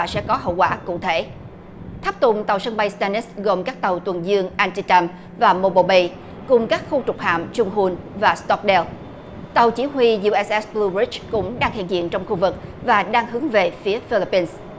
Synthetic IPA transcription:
sɛ̰˧˥kɔ˨˦ɦə̰˧˨wkwaː˧˩kʊ̰˧˥t̪ʰe˧˩ | t̪ʰa˦˥p̚t̪ʊ̰˧˨ŋ͡mt̪a˨˩wsə˧ŋɓa˧jst̪a˧ni˦˥sɣo˨˩mkaː˦˥k̚t̪a˨˩wt̪wə˨˩nzɨ˧əŋʔaː˧nt͡ɕi˧t͡ɕa˧m | vaː˨˩mo˧˩ɓo˧˨˩ɓi˧j | kʊ˨˩ŋ͡mkaː˦˥k̚xu˧t͡ɕʊ˨˩k͡p̚ha̰ː˧˨mt͡ɕʊ˧ŋ͡mɦu˧n | vaː˨˩st̪ɔ˦˥k̚ɗɛ˧l | t̪a˨˩wt͡ɕi˧˦ɦwi˧zu˧ʔɛ˨˦sʔɛ˦˥sblu˧ɹi˦˥t͡ɕkʊ̰˧˥ŋ͡mɗaː˧ŋhḭ˧˨ənzḭ˧˨ənt͡ɕɔ˧wŋ͡mxu˧vɨ˨˩k̚vaː˨˩ɗaː˧ŋɦɨ˨˦əŋve˨˩fi˨˦əfi˧li˦˥pːi˧ns

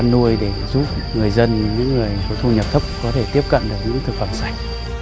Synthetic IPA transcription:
nːu˧əjɗe˧˩zu˦˥p̚ŋɨ˨˩əjzə˧nɲɨ̰˧˥ŋːɨ˨˩əjfo˧˩t̪ʰu˧ɲə˨˩p̚t̪ʰə˦˥p̚kɔ˨˦t̪ʰe˧˩t̪i˦˥əp̚kə̰˧˨nɗɨ˨˩ək̚ɲɨ̰˧˥ŋt̪ʰɨ˨˩k̚fə˧˩msa˧˩jk̟̚

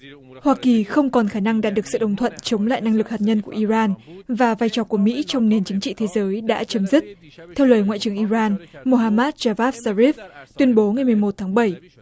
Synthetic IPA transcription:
hwaː˧ki˨˩xə˧wŋ͡mkɔ˨˩nxaː˧˩na˧ŋɗaː˨˩t̚ɗɨ˨˩ək̚sɨ̰˧˨ɗə˨˩ŋ͡mt̪ʰwə̰˧˨nt͡ɕə˨˦wŋ͡mla̰ː˧˨jna˧ŋlɨ˨˩k̚ha˨˩t̚ɲə˧nku˧˩əʔi˧zaː˧nvaː˨˩vaː˧jt͡ɕɔ˨˧˩ku˧˩əmḭ˧˥t͡ɕɔ˧wŋ͡mne˨˩nt͡ɕɨ˨˦ŋt͡ɕḭ˧˨t̪ʰe˨˦zəː˨˦jɗa̰ː˧˥t͡ɕə˨˦mzi˦˥k̚t̪ʰɛ˧wləː˨˩jŋa̰ː˧˨t͡ɕɨ˨˩əŋʔi˧zaː˧nmo˧ɦaː˧maː˦˥t̚t͡ɕaː˧vaː˦˥f̚zaː˧zi˦˥f̚t̪wi˧ənɓo˨˦ŋa˨˩jmɨ˨˩əjmo˨˩t̚t̪ʰaː˨˦ŋɓə˧˩j

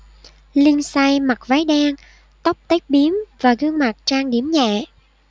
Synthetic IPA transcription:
li˧ənsa˧jma˨˩k̚va˨˦jɗaː˧ŋ | t̪ə˦˥k͡p̚t̪ə˦˥k̚ɓi˨˦əmvaː˨˩ɣɨ˧əŋma˨˩t̚t͡ɕaː˧ŋɗi˧˩əmɲɛ̰˧˨

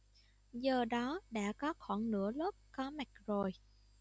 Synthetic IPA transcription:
zəː˨˩ɗɔ˨˦ɗa̰ː˧˥kɔ˨˦xɔ˧˩nnɨ̰˧˥əlʊ˦˥k͡p̚kɔ˨˦mɛ˨˩k̚zo˨˩j

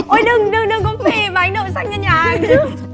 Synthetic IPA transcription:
ʔo˨˧˦jɗɨ˧ŋɗɨ˧ŋɗɨ˧ŋkʊ̰˧˥˦ŋ͡mti˧˩maː˨ʔa˨˦ŋ̟ɗo̰˧˨sa˧ŋ̚ɲə˧ɲaː˨˩˨

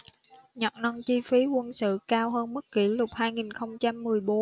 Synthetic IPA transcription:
ɲə˨˩t̚nɔ˧nt͡ɕi˧fi˨˦kwə˧nsɨ̰˧˨kaː˧wɦəː˧nmɨ˦˥k̚ki˧˩lʊ˨˩k͡p̚haː˧jŋi˨˩nxə˧wŋ͡mt͡ɕa˧mːɨ˨˩əjɓo˨˦n

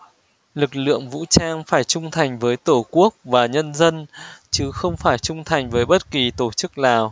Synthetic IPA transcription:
lɨ˨˩k̚lɨ̰˧˨əŋvṵ˧˥t͡ɕaː˧ŋfaː˧˩jt͡ɕʊ˧ŋ͡mt̪ʰa˨˩jŋ̟vəː˨˦jt̪o˧˩ku˦˥ək̚vaː˨˩ɲə˧nzə˧nt͡ɕɨ˨˦xə˧wŋ͡mfaː˧˩jt͡ɕʊ˧ŋ͡mt̪ʰa˨˩jŋ̟vəː˨˦jɓə˦˥t̚ki˨˩t̪o˧˩t͡ɕɨ˦˥k̚laː˨˩w

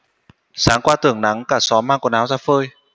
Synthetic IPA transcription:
saː˨˦ŋkwaː˧t̪ɨ˧˩əŋna˨˦ŋkaː˧˩sɔ˨˦maː˧ŋku˧˩ənaː˨˦wzaː˧fəː˧j

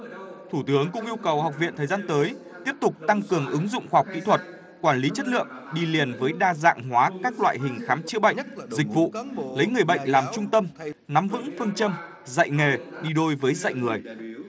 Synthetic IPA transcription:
t̪ʰuː˧˩t̪ɨ˨˦əŋkʊ̰˧˥ŋ͡mʔi˧əwkə˨˩wha˨˩wk͡p̚vḭ˧˨ənt̪ʰəː˨˩jzaː˧nt̪əː˨˦j | t̪i˦˥əp̚t̪ʊ˨˩k͡p̚t̪a˧ŋkɨ˨˩əŋʔɨ˨˦ŋzʊ̰˧˨ŋ͡mxwaː˧ɦk͡p̚kḭ˧˥t̪ʰwə˨˩t̚ | kwaː˧˩nli˨˦t͡ɕə˦˥t̚lɨ̰˧˨əŋ | ɗi˧li˨˩ənvəː˨˦jɗaː˧za̰ː˧˨ŋɦwaː˨˦kaː˦˥k̚lwa̰ː˧˨jɦï˨˩ŋ̟xaː˨˦mt͡ɕɨ̰˧˥əɓə̰˧˨ŋzï˨˩k̟̚vṵ˧˨lə˨˦jŋɨ˨˩əjɓə̰˧˨jŋ̟laː˨˩mt͡ɕʊ˧ŋ͡mt̪ə˧mna˨˦mvɨ̰˧˥ŋfɨ˧əŋt͡ɕə˧m | za̰˧˨jŋe˨˩ɗi˧ɗo˧jvəː˨˦jzə̰˧˨jŋɨ˨˩əj

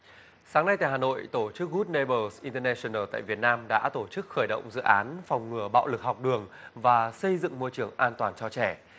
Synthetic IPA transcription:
saː˨˦ŋna˧jt̪a̰ː˧˨haː˨˩no̰˧˨jt̪o˧˩t͡ɕɨ˦˥k̚ɣu˦˥t̚ne˧ɓə˧sʔi˧nt̪ə˧nɛ˧si˧˨nəː˧˩t̪a̰ː˧˨jvi˨˩ət̚naː˧mɗa̰ː˧˥t̪o˧˩t͡ɕɨ˦˥k̚xəː˧˩jɗə̰˧˨wŋ͡mzɨ̰˧˨ʔaː˨˦nfa˨˩wŋ͡mŋɨ˨˩əɓa̰ː˧˨wlɨ˨˩k̚ha˨˩wk͡p̚ɗɨ˨˩əŋvaː˨˩sə˧jzɨ̰˧˨ŋmo˧jt͡ɕɨ˧˩əŋʔaː˧nt̪waː˨˩nt͡ɕɔ˧t͡ɕɛ˧˩

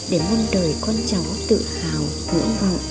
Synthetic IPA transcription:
ɗe˧˩mə˧nɗəː˨˩jkɔ˧nt͡ɕa˨˦wt̪ɨ̰˧˨haː˨˩w | nɨ̰˧˥əŋva̰˧˨ʔ

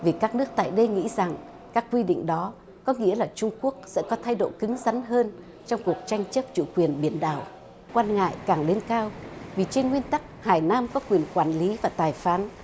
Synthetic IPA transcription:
vi˨˩kaː˦˥k̚nɨ˦˥ək̚t̪a̰ː˧˨jɗə˧jŋḭ˧˥za˨˩ŋ | kaː˦˥kːwi˧ɗḭ˧˨ŋ̟ɗɔ˨˦ | kɔ˨˦ŋḭ˧˥əlaː˨˩t͡ɕʊ˧ŋ͡mku˦˥ək̚sɛ̰˧˥kɔ˨˦t̪ʰa˧jɗo̰˧˨jkɨ˨˦ŋza˨˦nɦəː˧n | t͡ɕɔ˧wŋ͡mku˨˩ək̚t͡ɕa˧jŋ̟t͡ɕə˦˥p̚t͡ɕṵ˧˩kwi˨˩ənɓi˧˩ənɗa̰ː˨˩w | kwaː˧nŋa̰ː˧˨jkaː˨˩ŋɗe˧nkaː˧wvi˨˩t͡ɕe˧nŋwi˧ənt̪a˦˥k̚haː˨˩jnaː˧mkɔ˨˦kwi˨˩ənkwaː˧˩nli˨˦vaː˨˩t̪aː˨˩jfaː˨˦n

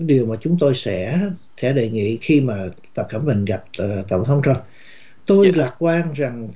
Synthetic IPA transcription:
ɗi˨˩əwmaː˨˩t͡ɕʊ˨˦ŋ͡mt̪o˧jsɛ̰˧˥sɛ̰˧˥ɗe˨˩ŋḭ˧˨xi˧maː˨˩ | t̪ə˨˩p̚kə˧˩mmï˨˩ŋ̟ɣa˨˩p̚ːt̪ə˧˨wŋ͡mt̪ʰə˨˦wŋ͡mt͡ɕə˧m | t̪u˧jlaː˨˩kwaː˧nza˨˩ŋ

